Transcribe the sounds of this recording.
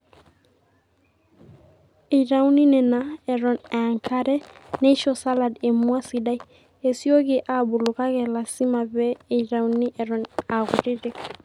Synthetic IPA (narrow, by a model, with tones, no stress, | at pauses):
ɪ˨ɾa˦wni˦nɛ˨na˨ɛ˨ɾɔ˨na˨ŋka˦ɾɛ˦ne˦ʃɔ˨sa˦la˨de˨mwa˦si˨da˦i˦ | e˨sjo˦ɡɪ˨ʔa˨bʊ˨lʊ˨ka˦ɣɛ˨la˨si˦ma˨bɛ˦e˨ɾa˨wni˦ʔɛ˨ɾɔ˨na˨ɣʊ̰˨ɾɪ˦ɾɪ˦